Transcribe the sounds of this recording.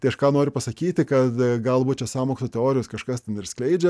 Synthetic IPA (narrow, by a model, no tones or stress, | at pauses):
t̪ɐɪɐʃkɑːnoːɾʲʊpɐsɐkʲiːt̪ʲɪkɐt̪ɡɐlˠbuːt̪t͡ʃʲɛsɑːmoːkst̪oːt̪ʲɛoːɾʲɪjoːskɐʃkɐst̪ʲɛnɪɾsklʲɛɪd͡ʒʲɛ